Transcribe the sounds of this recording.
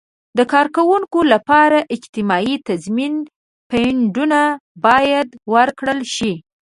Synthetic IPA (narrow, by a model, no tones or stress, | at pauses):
d̪əkɑɾkawuŋkolapɑɾaʔɪd͡ʒt̪ɪmɑit̪azmin | peɳɖunabɑjad̪wəɾkɽəlʃi